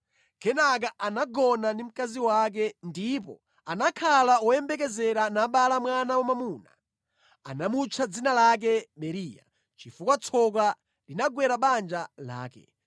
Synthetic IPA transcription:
kʰɛnak̬aʔanaɡɔnanim̩kaziwak̬ɛndip̬ɔ̰ | anakʰalawɔjɛmbɛk̬ɛzɛɾanaɓalamwanawamamuna̰ | a̰namut͡ʃʰad͡zinalak̬ɛɓɛɾiːja̰ | t͡ʃifukwat͡sʰɔk̬a | linaɡwɛɾaɓand͡ʒala̰ːkɛ̰

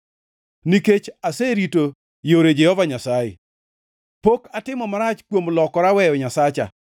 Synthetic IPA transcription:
niket͡ʃaseɾito | joɾed͡ʒehɔvaɲasajḛ | pokatɪmɔmaɾat͡ʃkwomlɔkɔɾawɛjɔɲasat͡ʃa̰

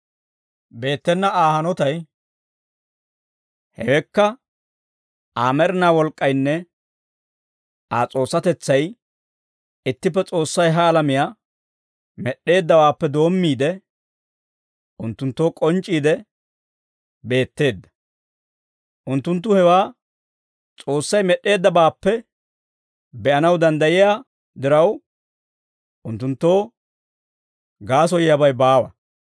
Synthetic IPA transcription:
be̞ːt̪ːɛnːɐaːhɐnɔt̪ɐj | hɛ̰wɛkːɐ | aːmɛɾɪnaːwɔlkʼːɐjnːɛ | ʔaːt͡sʼo̞ːsːɐt̪ɛt͡sːɐj | ɪt̪ːɪp̬ːɛt͡sʼo̞ːsːɐjɦɐːlɐmɪjaː | mɛɗːe̞ːd̪ːɐwaːpːɛd̪o̞ːmːiːd̪ɛ | ʔʊnt̪ːʊnt̪ːo̞ːkʼɔnt͡ʃʼːiːd̪ɛ | be̞ːt̪ːe̞ːd̪ːɐ̥ | ʔʊnt̪ːʊnt̪̬ːʊhɛwaː | t͡sʼo̞ːsːɐjmɛɗːe̞ːd̪ːɐbaːpːɛ | bɛʔɐnɐwd̪ɐnd̪ɐjɪja | d̪ɪɾɐw | ʔʊnt̪ːʊnt̪ːo̞ː | ɡaːs̬ɔjjɐbɐjbaːwɐ̰

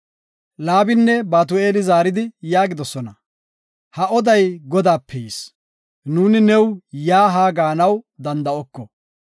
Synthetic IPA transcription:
laːbɪnːɛbaːt̪̬ʊe̞ːlɪzaːɾɪd̪ɪjaːɡɪd̪ɔsɔnɐ | hɐʔɔd̪ɐjɡɔd̪aːpʰːɛs | nuːnɪnɛwjaːɦaːɡaːnɐwd̪ɐnd̪ɐɔkːɔ

